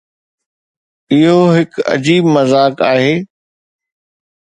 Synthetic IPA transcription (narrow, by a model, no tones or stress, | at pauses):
ɪɦoɦɪkɐ̰d͡ʑiːbmɐzaːkaːɦeː